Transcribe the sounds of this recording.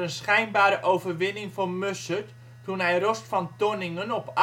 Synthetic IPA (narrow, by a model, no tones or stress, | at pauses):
ənsχɛjnbaːɾəʔowvərʋɪnɪŋformøsət | tunɦɛjrɔstfɑntonɪŋənɔp